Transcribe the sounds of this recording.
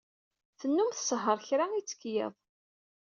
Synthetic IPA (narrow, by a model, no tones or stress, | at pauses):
θənːumθə̥səɦəɾˤçɾaŋit͡sːə̥kːjḛðˤ